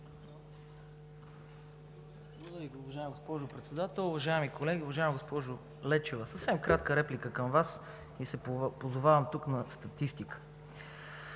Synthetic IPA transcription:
d̪ik̪ʲʊvɐʒaɪmɡospɔʒʊpɾɛt̪sɛd̪at̪ɛlˠʊvɐʒaɛmikolɛɡʲiʊvɐʒaɪmiɡospɔʒʊ | lɛt͡ʃovəsəfsɛmkɾat̪kəɾɛplikəkəmvas | isɛpozʊvavɐmt̪uknɐst̪ɐt̪ist̪ikə̥

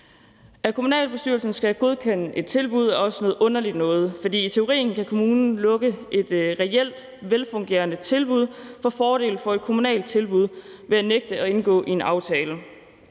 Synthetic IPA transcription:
ækʰo̝munɛ̰ːlb̥e̝sd̥yɐlsn̩sɡ̥æɡ̥o̝ð̞ˠkʰen̰əʔe̝d̥̚t͡sʰe̝lb̥uð̞̰ˠæɒ̽sənɔ̽ːð̩ˠɔ̽n̰ɐlid̥nɔ̽ːð̞̩ˠfɒd̥ḭːit͡sʰe̝o̝ʁḭːn̩kʰækʰo̝muːnn̩lɔ̽ɡ̥əʔe̝d̥ʁɛel̰d̥ | ʋelfɔ̽ŋɡ̥e̝̰ːɐnət͡sʰe̝lb̥uð̞̰ˠfɒ̽fɒːɾ̥e̝̰ːl̩fɒ̽e̝d̥̚kʰo̝munɛ̰ːld̚t͡sʰe̝lb̥uð̞̰ˠ | ʋe̝æneɡ̥̚d̥əɒ̽e̝nɡ̥ɔ̰̽ːʔie̝nɑ̈ʊt͡sʰɛːlə

